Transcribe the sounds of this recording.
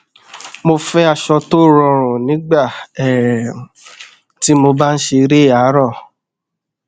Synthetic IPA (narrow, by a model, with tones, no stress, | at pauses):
mo˧fɛ˦a˧ʃɔ˧to˦˨ɾɔ̃˧˨ɾɔ̃˨nĩ˨˦ɡ͡ba˦˨ɛ˨ɾɛ˨ũ˨ | ti˨˦mo˧ba˦n̩˦ʃe˧ɾe˦˨a˨˦ɾɔ˦˨